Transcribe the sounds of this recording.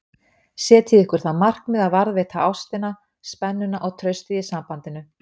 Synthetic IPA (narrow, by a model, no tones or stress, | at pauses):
sjɛːt̪ʰiðɪhkʏɾ̥θaðmar̥knmɛðaðvaɾðvɛːt̪ʰaʔawst̪ɪna | spɛnːʏnaʔɔɣt̪ʰɾœɥst̪ijɪsampant̪ɪnʏ